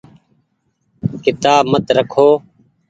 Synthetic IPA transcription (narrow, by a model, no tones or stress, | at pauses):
kɪt̪aːbmət̪ɾəkʰoː